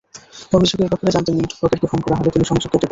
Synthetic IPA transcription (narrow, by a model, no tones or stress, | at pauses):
omiʃukeɾbʱɔpoɾed͡ʑant̪eniʈpɾokeɾkefonkɔɾaɦɔbet̪iniʃɔŋd͡ʑokt̪ʰːot̪ːep